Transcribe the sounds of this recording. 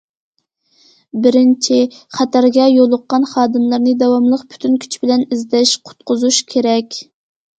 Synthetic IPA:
bɪɾɪnt͡ʃʰɪχæt̪ʰæɾɡʲɛjolˠʊqːɑnχɑːd̪ɨmlˠɨɾnɨd̪ɛwɑmlˠəqpʰy̥t̪ʰynkʲʰy̥t͡ʃʰbɪlɛnizd̪ɛʃqʰʊ̥t̪̚qʊzuʃkʲʰeɾɛkʲ

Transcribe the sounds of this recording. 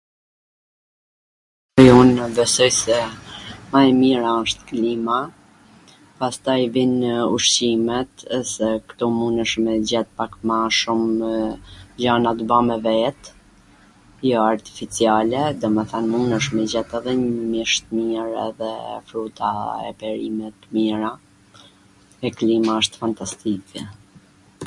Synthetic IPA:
junbɛsɔjsɛmaɛmiɾaʃt̪klima | past̪ajvinəṵʃt͡ɕimɛt̪sɛkt̪ɔmunəʃmɛd͡ʑɛt̪̚pakmaʃum | d͡ʑanat̪bamɛvɛt̪ | jɔaɾt̪i̥fit͡sialɛd̪ɔmɛθanmunəʃmɛd͡ʑɛt̪ɛðɛɲmjɛʃt̪miɾɛ̰ðɛ̰fɾut̪ʰa̰ɛ̰pɛɾimɛt̪miɾa | ɛklimaəʃt̪fant̪ast̪ikʰɛ

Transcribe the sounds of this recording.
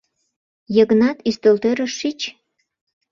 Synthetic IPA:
jəɣənɑt̪yst̪ølt̪øɾəʃːit͡ɕ

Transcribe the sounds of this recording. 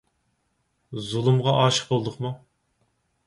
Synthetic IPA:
zulˠumʁɑʔɑːʃə̥q̚bolˠd̪əχmu

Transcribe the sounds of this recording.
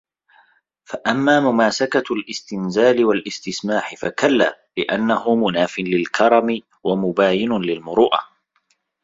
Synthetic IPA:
faʔamːaːmʊmaːsakalʔɪst̪ɪnzaːlɪwalʔɪst̪ɪsmaːħɪfa̰kalːaː | lɪʔanːahʊmʊnaːfɪnlɪlkʰɑɾˤɑmɪ | wamʊbaːjɪnʊlɪlmʊɾˤuːʔa̰

